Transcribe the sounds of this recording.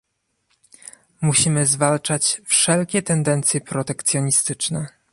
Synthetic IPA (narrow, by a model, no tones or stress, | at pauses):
muɕimɘzvalt͡ʂat͡ɕfʂɛlkʲɛt̪ɛnd̪ɛnt̪sʲjɛpɾɔt̪ɛkt̪sʲjɔɲist̪ɘt͡ʂnɛ